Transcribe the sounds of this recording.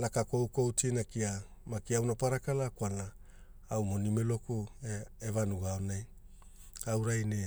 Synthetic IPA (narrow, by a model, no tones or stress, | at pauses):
lakako̞wko̞wtinakia | makiawnapaɾakalakwanaː | wmo̞nimelo̞kueevanuɡaonaj | awɾajne